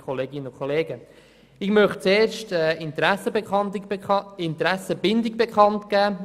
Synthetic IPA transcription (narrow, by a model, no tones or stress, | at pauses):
kʰoleːɡɪnənʊkʰχoleːɡə | ɪɡ̥mœχt͡seːrʃtɛːɪnt̪ɾæsəbeɑntɪnt̪ɾæsəbɪndɪɡ̚bɛkχɑntɡ̥æː